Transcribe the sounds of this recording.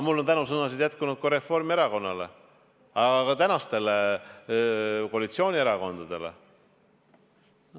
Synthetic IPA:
mulːont̪ænus̬ɤnɑsid̪̥jæt̪̚kunud̪̥̚kɑɾe̞fo̞rmie̞ɾɑko̞nːɑle̞ | ɑɑkɑt̪ænɑst̪e̞le | kolʲit̪sio̞ːnʲie̞ɾɑko̞nd̪̥ɑd̪̥e̞le̞̰

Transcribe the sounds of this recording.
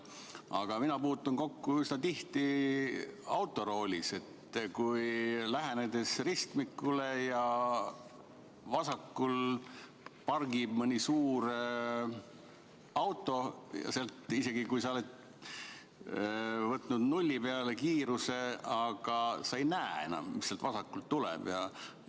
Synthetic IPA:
ɑ̰ɡ̥ɑminɑpuːt̪ːˑunko̞kːuysnɑt̪iht̪i | ɑwt̪ːˑo̞ɾo̞ːlʲḭse̞t̪ːkujlæɦæned̪e̞srist̪mikːule̞jɑ | vɑsɑkːul | pɑrɡibmənʲisuːɾ | ɑwt̪ːˑo̞jɑ̰seɑlt̪ise̞ɡ̥ikujsɑolet̪ | vɤt̪ːˑnud̪nulʲːipeɑle̞kiːɾuse̞ɑɡ̥ɑsɑejnæːe̞̰nɑ̰mmisːelt̪vɑsɑkːult̪ːulɛ̰b̥jɑ

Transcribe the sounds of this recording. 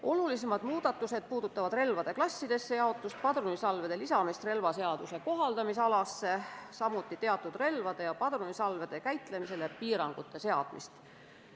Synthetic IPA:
o̞lulis̬emɑd̪̥muːd̪̥ɑt̪ːˑuse̞d̪̥̚puːd̪̥ut̪ːˑɑvɑd̪̥re̞lvɑd̪̥e̞klɑsʲːid̪̥e̞sːe̞jɑo̞t̪ːˑust̪̚pɑd̪̥ɾunisɑlve̞d̪̥e̞lisɑmist̪re̞lvɑse̞ɑd̪̥use̞ko̞ɦɑld̪ɑmis̬ɑlɑsːe̞sɑmut̪ˑːit̪e̞ɑt̪ːˑud̪̥re̞lvɑd̪̥e̞jɑpɑd̪̥runisɑlve̞d̪̥e̞kæjt̪ˑle̞mise̞le̞piːɾɑŋɡ̥ut̪ːˑe̞se̞ɑ̰d̪̥mḭst̪

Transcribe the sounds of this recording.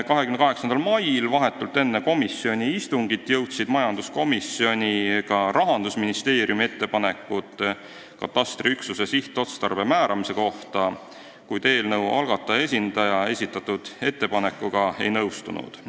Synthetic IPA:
kɑɦekymnkɑɦe̞ksɑnd̪ɑlmɑjlvɑɦe̞t̪ːˑult̪ːˑe̞nːeko̞misːio̞nʲiist̪uŋɡ̥it̪ˑːjɤwt̪sid̪̥mɑjɑnd̪̥usko̞misio̞nʲikɑɾʔɑɦɑnd̪usminist̪e̞ːɾjumie̞t̪ːe̞pɑne̞kːˑut̪ːˑ | kɑ̰t̪ːˑɑst̪riyksuse̞siht̪ˑo̞t̪st̪ɑrbe̞mæːɾʔɑmise̞ko̞ht̪ɑ | kujt̪e̞ːlnɤwɑ̰lɡ̥ɑt̪ːˑɑe̞s̬ʲind̪̥ɑjɑe̞sʲit̪ːˑɑt̪ːud̪̥e̞t̪ːe̞pɑne̞kːˑuɡ̥ɑe̞̰jnɤwst̪unṵd̪̥

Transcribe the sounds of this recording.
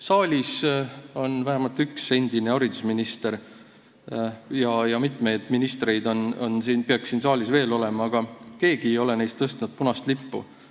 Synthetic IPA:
sɑːlʲiso̞nvæɦæmɑlt̪ykse̞nʲd̪̥ineɑɾid̪usminist̪e̞ɾ | jɑjɑmit̪ˑme̞jd̪̥minist̪re̞jd̪o̞nonsiːnpeɑksiːnsɑːlʲisve̞ːlo̞le̞mɑːɡ̥ɑke̞ːɡ̥iejo̞le̞ne̞jst̪ːɤst̪nud̪̥̚punɑst̪lipːṵ

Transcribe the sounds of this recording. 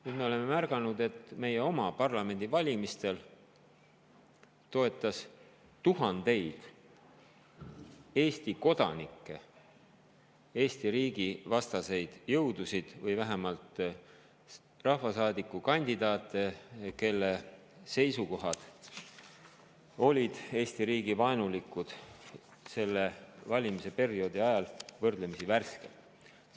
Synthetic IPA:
nyd̪me̞o̞le̞me̞mærɡ̥ɑnud̪e̞t̪ːme̞je̞o̞mɑpɑrlɑme̞nʲd̪ivɑlʲimist̪e̞l | t̪o̞e̞t̪ːˑɑs | t̪uɦɑnd̪̥e̞jd̪̥ | e̞ːst̪iko̞d̪̥ɑ̰nikːe | e̞ːst̪iɾiːɡ̥ivɑst̪ɑse̞jd̪̥jɤwd̪̥usid̪̥vɤjvæɦemɑlt̪ | rɑhvɑsɑːd̪̥ikːˑukɑnʲd̪̥id̪̥ɑːt̪ːˑeke̞lːe | se̞jsuko̞ɦɑd̪̥ | o̞lʲid̪̥e̞ːst̪iɾiːɡivɑenulikːˑud̪̥ | se̞lːe̞vɑlʲimise̞pe̞rio̞d̪̥iɑjɑlvɤrd̪̥lemisiværske

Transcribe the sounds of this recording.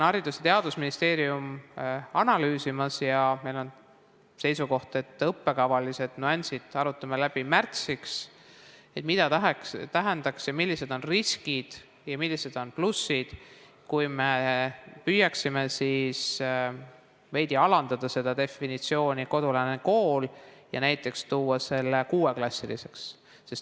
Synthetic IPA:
nɑɾid̪uset̪e̞ɑd̪̥usminist̪e̞ːɾiumɑnɑlyːsimɑsjɑme̞jlo̞n | se̞jsuko̞ht̪e̞t̪ˑːɤpːe̞kɑvɑlise̞d̪̥nuɑnʲsid̪̥ɑɾut̪ːˑɑmelæb̥imært̪siks | e̞t̪mid̪̥ɑt̪ɦkt̪æɦend̪̥ɑksjɑmilːise̞d̪̥o̞nriskid̪̥ | jɑmilʲːise̞d̪̥o̞nplusːid̪̥ | kujmepyjɑksimesiːs | ve̞jd̪̥iɑlɑnd̪̥ɑd̪̥ɑse̞d̪̥ɑd̪e̞finit̪sio̞ːnʲiko̞d̪̥ulɑneko̞ːljɑ̰næjt̪ːˑe̞kst̪uːɑse̞lːe̞kuːwe̞klɑsːilḭse̞ksː | e̞st̪

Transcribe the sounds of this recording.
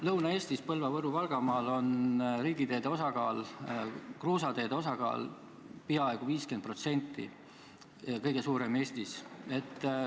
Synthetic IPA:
lɤwnɑe̞ːst̪ispɤlvɑvɤɾuvɑlɡ̥ɑmɑːlo̞nriːɡ̥it̪e̞ːd̪̥eo̞sɑɡɑːl | kruːsɑd̪e̞ːd̪eo̞sɑɡ̥ɑ̰ːl | piɑe̞ɡ̥uviːskend̪̚pro̞t̪se̞nʲt̪ːˑḭ | kɤjɡ̥e̞suːɾeme̞ːsʲt̪ise̞t̪ːˑ

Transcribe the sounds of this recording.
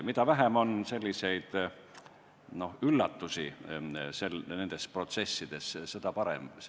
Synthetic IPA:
mit̪ɑvæɦemo̞nse̞lʲːise̞jd̪̥ | no̞hylːɑt̪ːusise̞lne̞nd̪̥e̞spro̞t̪se̞sːid̪̥e̞ssed̪̥ɑpɑɾḛm

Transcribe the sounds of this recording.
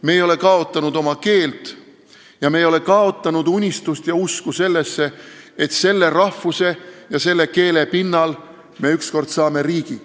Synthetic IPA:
me̞ːjo̞le̞kɑo̞t̪ːˑɑnud̪̥o̞mɑke̞ːlt̪ | jɑmejo̞le̞kɑo̞t̪ˑːɑnud̪̥unʲist̪ust̪jɑuskuse̞lːe̞sːe̞et̪se̞lːe̞rɑhvuse̞jɑse̞lːe̞ke̞ːle̞pinːɑl | me̞yksko̞rd̪̥sɑːme̞ɾiːɡ̥i

